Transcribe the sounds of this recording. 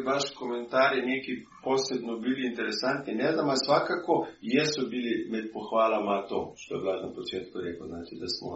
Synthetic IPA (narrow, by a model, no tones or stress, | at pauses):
ʋaʃkɔmɛnt̪aːɾjɛneːki | poːsɛbnɔbiliːnt̪ɛɾɛsant̪ninɛzd̪amasʋakakɔjɛsɔbilimɛt̪̚pɔxʋaːlamat̪o̰ːʃt̪ojɛ̰blad̪napɔt͡ʃet̪kɔɾeːkəznaːt͡ʃ̪id̪a̰smɔ̰